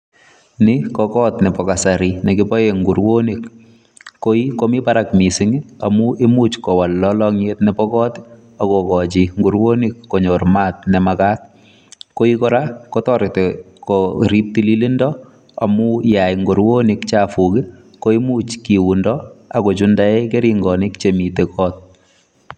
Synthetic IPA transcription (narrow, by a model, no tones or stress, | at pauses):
nɪkɔkɔtnɛpɔkasaɾinɛkɪpɔjeŋɡuɾwonik | koikomipaɾakmisɪŋiamuʔemut͡ʃkɔwalːɔlɔŋjetnɛpɔkɔːt | akokɔt͡ʃiŋɡuɾwonikːoɲormaːt̚nɛmakat̚ | koikɔɾakotɔɾɪte | koɾip̚tililindɔ | a̰mujajŋɡuɾwonikt͡ʃaːfukɪ | koimuːt͡ʃkiwundɔakot͡ʃundaekeɾiŋɡɔnikt͡ʃemitekʰɔːt̚